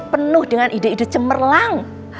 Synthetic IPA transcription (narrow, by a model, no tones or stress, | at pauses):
pənʊhd̥əŋanʔide̤idʊt͡ʃəmərlaŋ